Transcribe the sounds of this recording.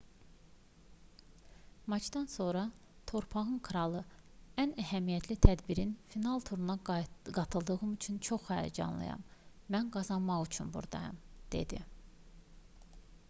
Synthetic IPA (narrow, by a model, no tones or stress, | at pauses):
mɑt͡ʃʰd̪ɑnso̞ɾɑ | t̪ʰo̞ɾpʰɑʁɯnkʰɾɑlˠɯænæɦæmijɛt̪ʰlit̪ʰæd̪biɾinfinɑlˠt̪ʰuɾunɑɡɑt̪ʰɯlˠd̪ɯɣɯmyt͡ʃʰynt͡ʃʰo̞χːɑːjɑ̰d͡ʒɑ̰nlˠɯ̰jɑ̰mː | ænɡɑzɑnmɑʁyt͡ʃʰynbṵɾd̪ɑ̰jɑ̰md̪̥e̞̰d̪ḭ